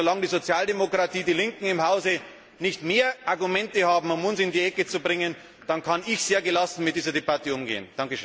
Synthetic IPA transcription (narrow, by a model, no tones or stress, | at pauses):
zolaŋdiːzot͡sjaːldemokʁ̥atʰiːdiːlɪŋkŋ̩ɪmhaʊzə | nɪçtmeːɐʔaɐɡumɛntəhaːbm̩ʊmʊnsɪndiːʔɛkət͡subʁɪŋən | d̥ankʰanɪçz̥eːɐɡəlasn̩mɪt̚d̥iːzɐdebatəʊmɡḛːənd̥aŋkəʃøːn